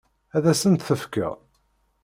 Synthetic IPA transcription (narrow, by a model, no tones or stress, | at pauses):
æðæsənt̪θəfkə̰